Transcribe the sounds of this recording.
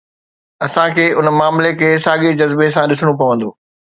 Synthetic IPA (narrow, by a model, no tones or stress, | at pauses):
ɐsãkʰeːʊnmaːmlekʰeːsaːɠed͡ʑɐzbesãɗɪsɽ̃opɐʋə̃nd̪oː